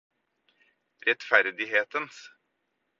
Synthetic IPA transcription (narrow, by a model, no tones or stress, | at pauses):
ɾɛt̪fæɾd̪ɪɦeːt̪əns